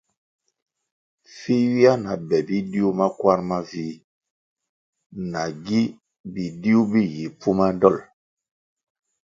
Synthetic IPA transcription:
fi˦wi˦a˦na˨bɛ˨bi˦di˦u˦ma˦kwa˦ɾma˦vi˦ | na˨ɡi˦ | bi˨di˦u˦bi˦ji˨pu˦ma˦dɔ˦˨l

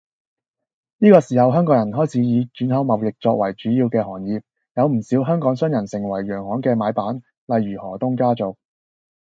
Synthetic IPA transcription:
niː˥kɔː˧siː˨˩hɐ˨˧wɦœː˥ŋkɔː˨˥ŋjɐ˨˩nɦɔː˥jt͡sʰiː˨˥jiː˨˧t͡ʃyː˨˥nhɐ˨˥wmɐ˨˩wlɪ˨k̚t͡sɔː˧k̚wɐ˨˩jt͡ʃyː˨˥jiː˧wkɛː˧hɔː˨˩ŋjiː˨p̚ | jɐ˨˧wm̩˨˩siː˨˥wɦœː˥ŋkɔː˨˥ŋsœː˥ŋjɐ˨˩nsɪ˨˩ŋwɐ˨˩jːœː˨˩ŋhɔː˨˥ŋkɛː˧maː˨˧jpaː˨˥n | lɐ˨jːyː˨˩hɔː˨˩t̪ʊ˥ŋkaː˥t͡sʊ˨k̚

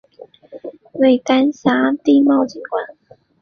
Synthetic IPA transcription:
we˥˧˩jka˥nsaː˧˥˦t̪i˥˧ma˥˧˨wt͡ɕi˨˩nkwa˨˩˦n

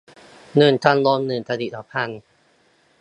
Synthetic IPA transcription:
nɯː˨˩nt̪ʰa˧nloː˧mnɯː˨˩nt̪ʰa˧di˨˩t̪ʰaː˨˦˥pʰa˧n

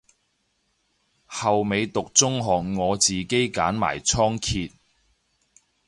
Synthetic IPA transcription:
hɐ˨wme˨˧jt̪ʊ˨k̚t͡sʊ˥ŋɦɔː˨k̚ŋɔː˨˧t͡siː˨˩ke˥jka̰ː˨˥nma̰ː˨˩jt͡sʰɔː˥ŋkʰiː˧t̚

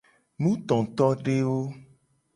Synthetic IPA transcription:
nũ˦t̪ɔ̃˨t̪ɔ˦ɖe˦wo˦

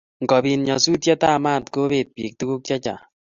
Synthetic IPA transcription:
ŋ˨kɔ˨bi˨nɲa˨su˦tjɛ˦ta˦˨ma˦˨tko˦be˨t̚pḭ˨k̚tu˦ku˦k̚t͡ʃa˦t͡ʃa̰˨

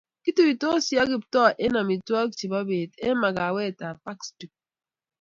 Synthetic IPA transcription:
ki˦tu˨i˨to˦si˦a˦ɡi˨p̚tɔ˦ʔe˦na˨mi˨tu˦a˦kt͡ʃi˨ba˦be˨te˦ma˨ɡa˨we˦˨ta˨pa˦kstu˨k̚

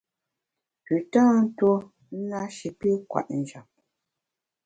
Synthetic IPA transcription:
pʉ˨tãː˦n̩˦to˦ | n̩˦na˦ʃi˨pi˦kwa̰˨ʔn̩˨d͡ʒa˨p̚

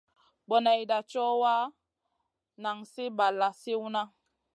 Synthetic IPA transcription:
bɔ˨na˨jda˨t͡ʃɔ˦wa˦ | na˨ŋsi˦ba˨la˨si˦wu˦na˦

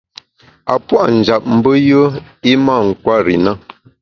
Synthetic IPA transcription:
a˨pwa˦ʔn̩˨d͡ʒa˨p̚m̩˨bə˦jə˦i˦ma˦˨ŋ̩˨kwa˦ɾḭ˨na˦˨

